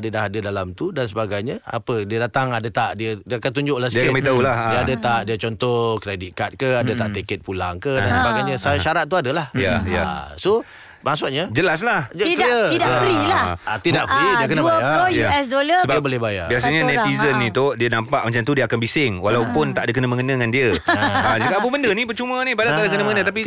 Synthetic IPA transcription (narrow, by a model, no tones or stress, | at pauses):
dədaɦadədalamt̪udansəbaɡajɲaa̰pədiədat̪aŋadət̪aʔdiədiakant̪uɲd͡ʒʊʔlahsdəiakkməit̪aulahiaadat̪aʔdiət͡ʃɔnt̪ɔkɾedikat̪̚kəadət̪aʔt̪ikɛt̪̚pulaŋkədansəbaɡajɲasaʃaɾat̪̚t̪ːuadəlahjajaa̰so | masuʔɲəd͡ʒəlas̬lahkiəidaɾilaʔat̪idaʔfɾiiakənəbjaɛsdoləsəbabolehbaja̰bias̬aɲanɛt̪izənːĩt̪udiənampaʔ̚mat͡ʃamt̪udiəkanbisɪŋwalawpʊnt̪aʔdəkənəmə̃ŋənəŋandiəaad͡ʒikaabəbəndənĩpərt͡ʃumənĩpadat̪aʔdəkənəməŋənət̪api